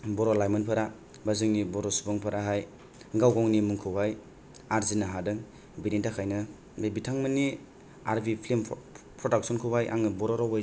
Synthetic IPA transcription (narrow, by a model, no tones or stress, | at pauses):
bɔɾɔlajmɐnpʰaɾa | bazɯŋnibɔɾɔsubɔŋpʰaɾaɦaj | ɡawɡɔŋnimuŋkʰɯwbaj | aɾzinaɦadɯŋ | biɾintakʰajnɯ | ebitʰaŋmɯni | aɾbipʰlemʰ | pʰɾɔdak̚sɔnkʰɯwbajʔa̰ŋnɯbɔɾɔɾɔwaj